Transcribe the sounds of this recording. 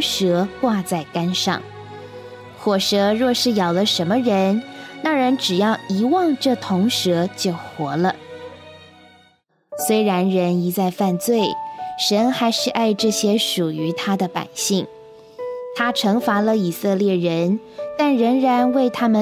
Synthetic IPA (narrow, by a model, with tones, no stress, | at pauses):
ʂɤ˧˥kwa˥˧t͡sa˥˩ɪka˥nʂɑ̰˥˩ŋ | xwɔ˨˩ʂɤ˧˥ɻwɔ˥˧ʂɻ̩˥˩jɑ˨˩ʊd̪ə˦ʂə˧˥nmə˧ɻə˧˥nna˥˩ɻə˧˥nʈ͡ʂɻ̩˨˩jɑ˥˩ʊi˧˥wɑ˥˧ŋʈ͡ʂɤ˥˩t̪ʰʊ˧˥ŋʂɤ˧˥t͡ɕjo˥˩ʊxwɔ˧˥lə˧ | swe˥ɪɻa˧˥nɻə˧˥ni˧˥t͡sa˥˧ɪfa˥˧nt͡swe˥˩ɪʂə˧˥nxa˧˥ɪʂɻ̩˥˧ʔa˥˧ɪʈ͡ʂɤ˥˩ɕjɛ˥ʂu˨˩y˧˥t̪ʰa˥d̪ə˨pa̰˨˩ɪɕi˥˩ŋ | t̪ʰa˥ʈ͡ʂʰɤ˧˥ŋfa˧˥lə˧i˨˩sɤ˥˧ljɛ˥˩ɻə˧˥n | t̪a˥˩nɻə˧˥ŋɻa˧˥nwe˥˩ɪt̪ʰa˥mə˨